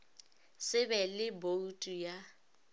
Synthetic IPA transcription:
sɪbɛlɪboutʼuja

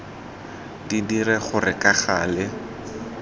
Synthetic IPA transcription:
didiɾɛχʊrɪkaχaːlɪ

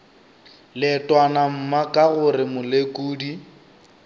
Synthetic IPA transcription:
lɪtʼwanam̩makʼaɣʊrɪmʊlekʼuːdi

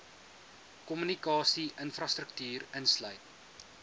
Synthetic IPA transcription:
kɔmynikɑːsiʔənfrɑst̪rək̚tyːrənslœɥt̚

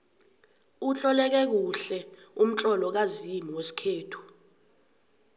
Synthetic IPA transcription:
ut͡ɬʼɔlɛk̬ɛk̬uɬɛ | um̩t͡ɬʼɔlɔk̬azimiwesi̥kʰeːtʰu̥

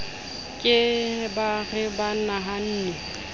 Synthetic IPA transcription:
kʼɪbaɣɪbanaɦan̩ːnɛ

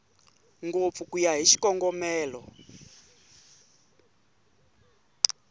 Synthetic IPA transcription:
ŋɡop̪fukujaɦiʃi̥kɔŋɡɔmɛːlɔ

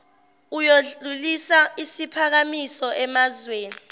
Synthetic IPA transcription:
ujoɮulisaisipʰak̬amisɔʔɛmazweːni

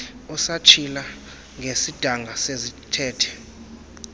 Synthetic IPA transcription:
ɔsat͡ʃʰila | ŋʱesid̥ʱaŋʱasezitʰɛːtʰɛ̥

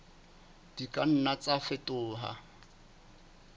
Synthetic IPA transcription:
d̥ikʼan̩nat͡sʼafɪtʼʊːɦa̰

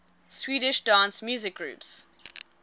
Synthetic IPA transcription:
swiːɾɪʃdãːnsmjʉːzɪk̚ɡ̥ɹṵːps

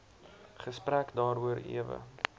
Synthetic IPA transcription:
χəsprækdɑːɾuəɾḭəvə̰

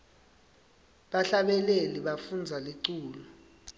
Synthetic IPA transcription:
ɓaɬaɓɛleliɓafund͡zʱaliǀuːlɔ

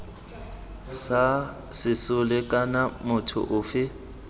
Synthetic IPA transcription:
sa | sɪsʊlɪkʼanamʊtʰʊ̰ʔʊːfɪ

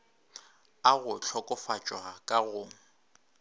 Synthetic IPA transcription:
aɣʊt͡ɬʰɔkʼʊfat͡ʃʼwakʼaɣʊ

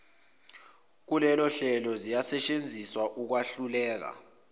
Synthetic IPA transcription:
k̬ulɛlɔɬɛlɔzijasɛt͡ʃʼend͡zʱiswaʔuk̬waɬulɛːk̬a̰

